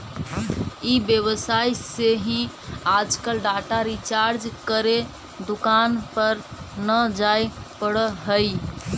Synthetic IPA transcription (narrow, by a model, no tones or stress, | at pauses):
ibjəβəsajseɦĩ | ad͡ʒkəlɖaʈaɾit͡ʃaɾd͡ʒkəɾe | d̪ukanpəɾnəd͡ʒajpəɽəɦəj